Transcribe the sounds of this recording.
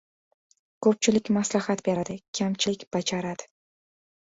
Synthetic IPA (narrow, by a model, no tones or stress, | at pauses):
kʰɵp̚t͡ʃʰɪlɪkʲmaslahat̪beɾad̪ɪkʲʰamt͡ʃʰɪlɪkʲb̥ad͡ʒaɾad̪̥ɪ̥